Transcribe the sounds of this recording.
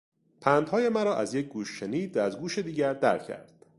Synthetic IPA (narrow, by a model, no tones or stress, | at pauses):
pʰænd̪hɒːjemæɾɒːʔæzjec̚ʰɡuːʃːeniːd̪vææzɡuːʃe̞d̪iːɟæɾd̪æ̰ɾcʰæ̰ɾd̪̥